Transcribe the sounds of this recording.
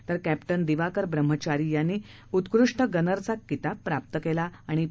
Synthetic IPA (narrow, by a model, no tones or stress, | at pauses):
t̪əɾkæpʈənd̪iʋakəɾbɾəm̤ːət͡ɕaɾijanːiː | ut̪kɾuʂʈəɡənəɾt͡sakːit̪abpːɾap̚t̪əkelaːɽ̃i